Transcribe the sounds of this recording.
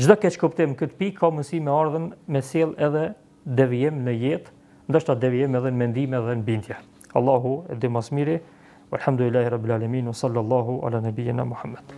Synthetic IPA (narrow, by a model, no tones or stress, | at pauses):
d͡ʒd̪ɔkɛʃkupt̪ɪmkət̪əpikʰːamunsimɛaɾðənmɛsɛlˠɛðɛ | d̪ɛviɪmnəjɛt̪ | nd̪əʃt̪ad̪ɛviɪmɛðɛnmɛnd̪imɛðɛnəbind̪jɛ | ɑlˠˤːɑɦuɛ̰d̪ɪmasmiɾi | walħamd̪ulilːaːhiɾɑbːilaːlaminwɑsˤɑlːɑlˠˤːɑɦua̰lanabijəna̰muħamːad̪̥